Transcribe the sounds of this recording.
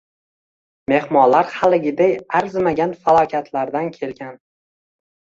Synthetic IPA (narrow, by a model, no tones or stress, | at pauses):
me̞hmɒnlaɾχalɪɡʲɪd̪ejaɾzmaɡʲanfalˠɒkʲʰat̪ʰlaɾd̪ankʲʰe̞lɡʲan